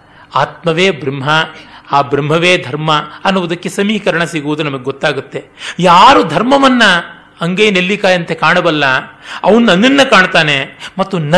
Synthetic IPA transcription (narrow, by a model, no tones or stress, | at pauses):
aːt̪̚mɐʋeːbɾimɦɐaːbɾimɦɐʋeːd̪ʱɐɾmɐɐnːuʋud̪ɐkːe̞sɐmiːkɐɾɐɳɐsiɡuʋud̪unɐmɐɡeɡot̪ːaːɡut̪ːe̞jaːɾud̪ʱɐɾmɐʋɐnːɐː | ŋɡejnelːikaːjɐnt̪ekaːɳɐbɐlːɐɐʋɐnunɐnːinːɐkaːɳt̪aːne̞mɐt̪ːunɐ